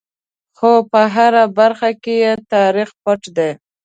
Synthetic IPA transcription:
xopəɦaɾabaɾxakejet̪ɑɾixpaʈd̪e

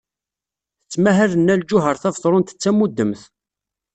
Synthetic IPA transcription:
θət͡sːmæɦælənːæld͡ʒʊɦəɾθævθˤɾˤʊnt̪ə̥t͡sːæmud̪ːəmθ

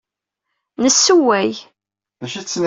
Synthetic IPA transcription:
nəsːuwæj | ðæʃit͡sːn

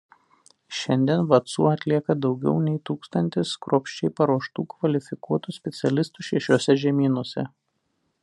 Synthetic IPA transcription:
ʃʲɛnʲd̪ʲiɛnʋɐt̪sṵːɐt̪ʲlʲiɛkɐd̪ɒʊɡʲɛ̰ʊnʲɛɪt̪uːkst̪ɐnʲt̪ʲɪskɾoːpʲʃʲt͡ʃʲɛɪpɐɾuɔʃt̪uːkʋɐlʲɪfʲɪkuɔt̪usʲpʲɛt̪sʲɛlʲɪst̪uːʃʲɛʃʲoːsʲɛʒʲɛmʲiːnuɔsʲɛ̰

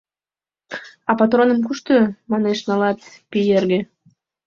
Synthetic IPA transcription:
ɑpɑt̪ronəmkuʃt̪ømɑneʃnɑlɑt̪pijerɣe

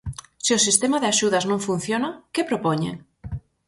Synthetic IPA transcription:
siosist̪emaðeaʃuð̞aznõŋfun̟θjonakepɾopoɲḛŋ

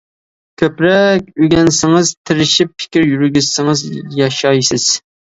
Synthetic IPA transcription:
kʲʰøpɾɛkʲyɡʲɛnsɪŋɨz̥t̪ʰɪɾɪʃipfʰɪ̥kʲɪɾjyɾɡʲyzsɪŋɨzjɑʃɑjsɪz̥

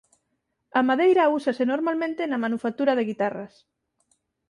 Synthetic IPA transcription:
amaðejɾausasenoɾmalmẽnt̪enamanufak̚t̪uɾaðeɣit̪aras

